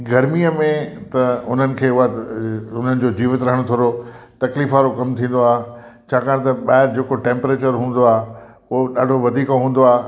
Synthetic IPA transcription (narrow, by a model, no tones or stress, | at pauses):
ɡɐɾmiəmẽt̪ɐʊn̤ənɪ̆kʰeːʊɦaʊn̤ənɪ̆d͡ʑoːd͡ʑiːʋət̪ɾɐɦəɽ̃t̪ʰoːɾot̪ɐkliːfaɾokɐmt̪ʰĩːn̆d̪oaːɦe | t͡ɕʰaːkaːɽ̃̆t̪ɐɓaːɦɪɾd͡ʑeːkoʈẽːmpɾeːt͡ɕəɾɦũːn̆d̪oaːɦ | ʊɦoɗaːɖʱoʋɐd̪ʱiːkoɦũːn̆d̪oaːɦ